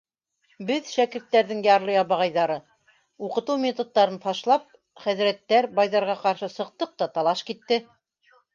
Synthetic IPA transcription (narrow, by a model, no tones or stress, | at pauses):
bɘðʃækɘ̆ɾt̪ːæɾðɘŋjɑɾlˠɤjɑβɑʁɑjðɑɾɤ | uqɤ̆t̪ɤwmʲet̪ot̪ːɑɾɤnfɑʃlˠɑp̚ | χæðɾæt̪ːæɾbɑjðɑɾʁɑqɑɾʃɤsɤ̆q̚t̪ɤq̚t̪ɑt̪ɑlˠɑʃkit̪ːɘ